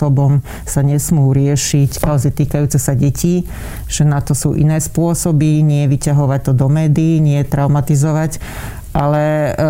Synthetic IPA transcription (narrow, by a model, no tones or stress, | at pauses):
ɔbɔm | saɲɛsmuːɾɪɛʃickaɔzɛt̪iːkajuːt͡sɛsaɟɛciː | ʒ̥ɛnat̪ɔsṵːʔḭnɛːspʊɔsɔbiɲɪɛjɛʋicaɦɔʋac̚t̪ɔd̪ɔmɛːd̪iːɲɪɛjɛt̪ɾaʊmat̪izɔʋac | ʔalɛ